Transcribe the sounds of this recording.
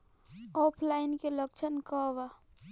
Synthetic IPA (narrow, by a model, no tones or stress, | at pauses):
oːpʰlaɪnkelək̚t͡ʃʰənkɔʋa